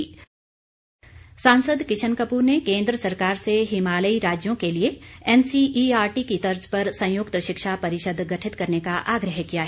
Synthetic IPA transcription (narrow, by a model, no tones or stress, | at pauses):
sãːnsəd̪kɪt͡ʃʰənkəpuːɾnekẽːnd̪ɾəsɐɾkaːɾseɦɪmaːləiɾaːd͡ʒjõkelieɛːnsiiaːɾʈikit̪ɐɾd͡ʒpɐɾsɐ̃jʊkt̪ʃɪkʃapɐɾɪʃəd̪ʱɡɐʈʰɪt̪kɐɾnekaʔaːɡɾəɦkijaɦ